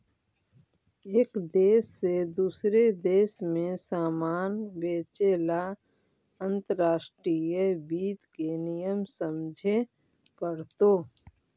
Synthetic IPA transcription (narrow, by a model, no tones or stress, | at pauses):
eːkd̪eːsːed̪uːsɾed̪eːsmẽsaːmaːnbeːt͡ʃela | ə̃nt̪əɾaːʃʈɾijəbiːt̪kenijəmsəmd͡ʒʱe | pəɽt̪oː